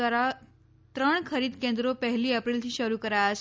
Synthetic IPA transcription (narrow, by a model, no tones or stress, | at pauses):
aɾa | t̪ɾəɳkʰəɾiːd̪kend̪ɾopəɦliːəpɾilt̪ʰiːɕəɾukəɾajəs